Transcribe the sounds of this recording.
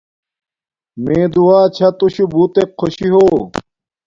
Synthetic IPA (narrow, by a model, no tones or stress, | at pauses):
meːd̪uwaːt͡ɕʰɐt̪uɕubuːt̪ekʰːoɕiɦoː